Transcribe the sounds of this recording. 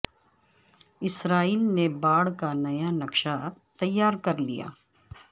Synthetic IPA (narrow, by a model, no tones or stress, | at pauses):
ɪsɾaːiːlnebaːɽkanɐjanɐkʃat̪ɐjːaːɾkɐɾlḭja̰ː